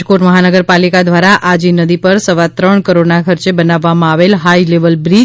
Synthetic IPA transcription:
koʈməɦanəɡəɾpalikad̪ʋaɾaʔad͡ʒinəd̪ipəɾsəʋat̪ɾəɳkəɾoɖnakʰəɾt͡ʃebənaʋːamãaʋelɦaileʋəlbɾi

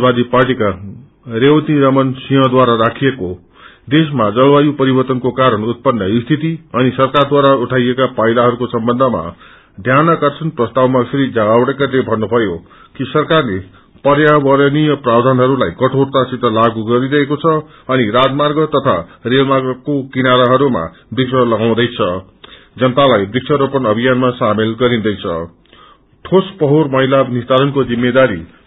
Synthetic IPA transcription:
bad̪iparʈika | rewt̪iɾʌmʌnsiɦʌ̃d̪waɾaɾakʰijeko | d̪esmad͡zʌlbajupʌɾibʌrt̪ʌnkokaɾʌnut̪̚pʌnːʌist̪ʰit̪iʌnisʌrkard̪waɾauʈʰajekapajlaɦʌɾukosʌmbʌnd̪ʱʌma̰ | d̪ʱjanʌkʌrt͡sʰʌnprʌst̪awmasʰiɾid͡zaɡawɽekalebʱʌnːubʱʌjo | kisʌrkarle | pʌɾjabʌɾʌnijʌprabd̪ʱanɦʌɾulajkʌʈʰort̪asit̪ʌlaɡuɡʌɾiɾʌekot͡sʰʌ | ʌniɾad͡zmarɡʌt̪ʌt̪ʰa̰relmaɡʌkokinaɾaɦʌɾuma̰ | b̪ik̚t͡sʰʌlʌɡaw̃d̪ʌjt͡sʰʌ | d͡zʌnt̪alajbikt͡sʰʌɾopʌnʌbʱijanmasamelɡʌɾĩnd̪ʌjt͡sʰʌ̰ | ʈʰospʌɦormʌɦilabnist̪aɾʌnkod͡zimːed̪aɾḭ

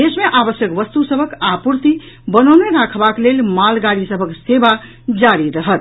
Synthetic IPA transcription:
d̪esmeʔabəsjəkʋʌst̪usəbʱəkapuɾt̪i | bənəwneɾakʰbaklelmalɡaɽisəbʱəkseba | d͡ʒaɾiɾəɦət̪̚

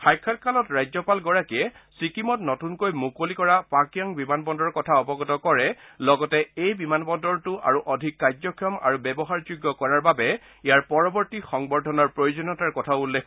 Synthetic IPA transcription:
xajkʰːat̚kalɔtɹajzɔpalɡɔɹakiɛ | sikimɔtnɔtunkojmukolikɔɹapakijɔŋbimanbɔndɔɹkɔtʰaɔbɔɡɔtɔkɔɹɛlɔɡɔtɛejbimanbɔndɔɹtuʔa̰ɹuʔɔdʱikːajd͡ʒɔkʰijɔma̰ɹubɛbɔɦaɹd͡ʒuɡːɔkɔɹaɹbabɛ | ijaɹpɔɹɔbɔɹtixɔŋbɔɹdʱɔnɔɹpɹojod͡ʒɔnɔtaɹkɔtʰaʊulːekʰ

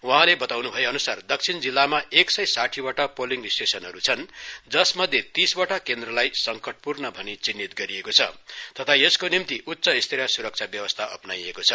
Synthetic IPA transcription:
uɦãlebʌt̪awnubʱʌjeʌnusard̪ʌk̚t͡sʰind͡zilːamaeksʌjsaʈʰiwaʈapoliŋɡsʈesʌnɦʌɾut͡sʰʌnd͡zʌsmʌd̪ʱjet̪isbaʈakend̪rʌlajsʌŋkʌʈ̚purnʌbʱʌnit͡sinːit̪ɡʌɾiekot͡sʰʌ̰t̪ʌt̪ʰaeskonimt̪iʔutːsʌist̪ʰiɾʌsuɾʌk̚t͡sʰabjʌwʌst̪ʰaʔʌ̰pnajekot͡sʰʌ

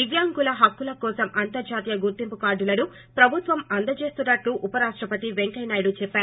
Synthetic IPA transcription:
iɡjaːŋɡulɐɦɐkːulɐkɔːsɐmʔɐnt̪ɐɾd͡ʒaːt̪ijɐɡuɾt̪impukaːɖulɐnu | pɾɐbʱut̪ʋɐmɐnd̪ɐt͡ʃe̞ːst̪unːɐʈlːuʔupɐɾaːʂʈɾɐpɐt̪iʋeŋkɐjnaːjɐɽut͡ʃɛpːaːɾu

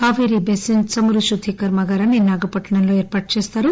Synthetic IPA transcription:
aːʋɐjɾibesinsɐmuɾuʃut̪ʰikɐɾmɐɡaːɾɐninːaːɡɐpɐʈːɐɳɐnloeːɾpaːʈ̚t͡ʃeːst̪aːɾu

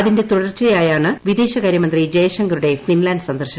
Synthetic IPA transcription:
ɐðinde̞t̪uɽɐrt͡ɕːɐjaːjaːɳɨʋid̪eːɕɐkaːɾjɐmɐnd̪rid͡ʑɐjɐʂɐŋɡɐɾuɽe̞finlaːnɖsɐnd̪ɐrɕɐ

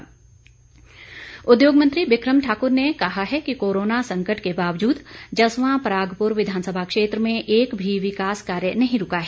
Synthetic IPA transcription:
ʊd̪joːɡmɐ̃nt̪ɾibɪkɾəmʈʰaːkʊɾnekɐɦaɦɛkikoːɾoːnasɐ̃ŋkəʈkebaːʋd͡ʒuːd̪d͡ʒɐsʋãpɾaːɡpʊɾʋɪd̪ʱaːnsəbʱakʃeːt̪ɾəmẽʔeːkbʱiʋɪkaːskaːɾjənɐɦĩɾʊkaɦɛː

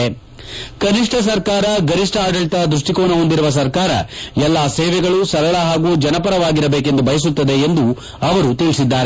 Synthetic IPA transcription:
e | kɐniʂʈʰɐs̬ɐɾkaːɾɐɡɐɾiʂʈʰɐaːɖɐɭt̪ɐɐd̪ɾuʂʈikoːnɐɦo̞nd̪iɾuʋɐs̬ɐɾkaːɾɐ̰ɛlːaːseːʋɛɡɐɭusɐɾɐɭɐɦaːɡuːd͡ʒɐnɐpɐɾɐʋaːɡiɾɐbeːk̬e̞nd̪ubɐjɐs̬ut̪ːɐd̪e̞ːnd̪u | ɐʋɐɾut̪iɭisid̪ːaːɾe

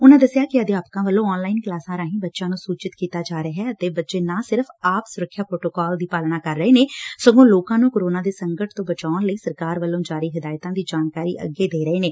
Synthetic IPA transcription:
ʊnãːd̪əsɪjaːkɪəd̪eːaːpkãːʋəlːõːɔːnlaːɪnklaːsãːɾaːɦĩːbətːʃãːnũːsuːt͡ʃɪt̪kiːt̪aːd͡ʒaːɾəːɦɛːət̪eːbətːʃeːnãːsɪɾfʰaːpsʊɾəkʰːjaːpɾoːʈoːkɔːld̪iːpaːlnaːkəɾːəeːneːsəɡõːloːkãːnũːkoːɾoːnãːd̪eːsəŋɡəʈt̪õːbət͡ʃaːʊnləiːsəɾkaːɾʋəlːõːd͡ʒaːɾiːɦɪd̪aːjt̪ãːd̪iːd͡ʒaːnkaːɾḭːʔə̰ɡːeːd̪eːɾəeːneː

